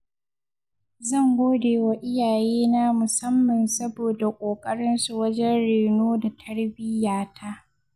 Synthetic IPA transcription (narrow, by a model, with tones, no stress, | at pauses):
zɐ˦˨ŋɡʷoː˦deː˨wa˦ʔɪ˦jaː˨jeː˦na˦mʊ˨sɐ˦mːɐ˨nsɐ˦boː˨da˨kʷʼoː˨kʼɐ˦ɽɪ˦nsu˨wɐ˦d͡ʒɛ˦nɽeː˨noː˦da˨tʰɐ˦ɽbɪ˦jaː˨tʰa˦ʔ